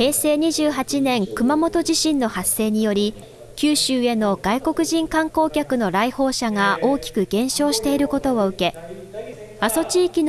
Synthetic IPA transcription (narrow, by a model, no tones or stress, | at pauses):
he̞ːse̞ːɲ̟iʑɨːɦat͡ɕinẽ̞ŋkɯ̟mamo̞t̪o̞ʑiɕĩnːo̞hasːe̞ːɲ̟ijo̞ɾʲi | kʲɨːɕɨːe̞no̞ɡ̥aiko̞kɯ̟ʑĩŋkãŋko̞ːkʲakɯ̟no̞ɾaiho̞ːɕaŋaʔo̞ːkʲi̥kɯ̟ɡẽ̞ɕo̞ːɕi̥t̪e̞iɾɯ̟ko̞t̪o̞oɯ̟ke̞ | aso̞t͡ɕiːkʲin